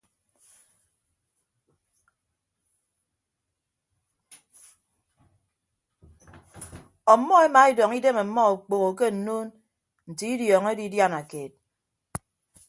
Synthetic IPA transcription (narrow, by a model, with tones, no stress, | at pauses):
ɔ˨˦mːɔ˦e˦ma˨˦i˦dɔ˨ŋi˦de˦me˨˦mːɔ˦o˨k͡po˨ɣo˨k̬e˦n̩˨no˦n | n̩˨ti˨˦i˦djɔː˨ŋe˦di˨˦dja˦na˨ke˨t̚